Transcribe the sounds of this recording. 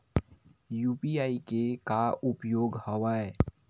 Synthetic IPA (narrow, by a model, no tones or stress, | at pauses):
juːpiaːikekaʊpjoːɡhəʋaːe